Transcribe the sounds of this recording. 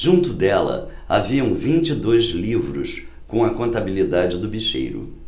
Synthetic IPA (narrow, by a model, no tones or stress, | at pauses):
ʒũnt̪ʊd̪ɛlɐ̰a̰viɐ̃w̃vĩnt͡ʃid̪ojzlivɾʊs | kõw̃ɐkõnt̪abilid̪ad͡ʒɪd̪ʊbiʃḛjɾʊ̰